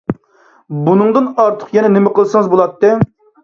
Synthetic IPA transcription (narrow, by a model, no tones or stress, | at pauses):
bunɨŋd̪ɨnɑɾt̪ʰə̥qjɛnɛnɪmɪqʰəlˠsɨŋɨzbolˠɑt̪ːɨ